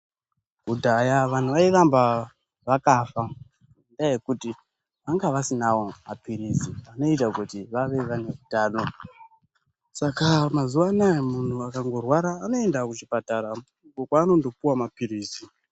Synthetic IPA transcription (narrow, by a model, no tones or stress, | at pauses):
kudʱajaʋan̤uʋairamba | ʋakafa | ndajekuti | ʋaŋɡaʋasinawo̞ma̰piɾisiano̞itakutiʋaʋe̞ʋaneutaːno̞ | sakamazuʋanajemun̤uakaŋɡo̞rwaɾaːno̞e̞ndakut͡ʃipataɾa | ukokwaːno̞ndo̞puwamapiɾiːsi